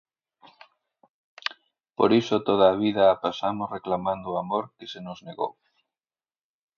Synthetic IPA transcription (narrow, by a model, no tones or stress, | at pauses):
po̰ɾisot̪oð̞aːβiðaːpasamosreklamand̪oamoɾkesenozneɣo̰w